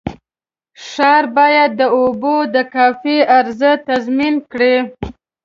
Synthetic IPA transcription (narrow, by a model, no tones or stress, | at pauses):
ʃɑɾbɑjad̪̚ːəobod̪əkɑfiʔaɾzət̪azminkɽi